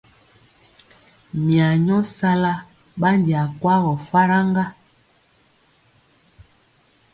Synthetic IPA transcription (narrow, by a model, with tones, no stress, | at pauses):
mja˨ɲɔ˦sa˦la˦ | ɓa˦ndi˨a˨kwa˦ɣɔ˨fa˦ɾa˦ŋɡa˦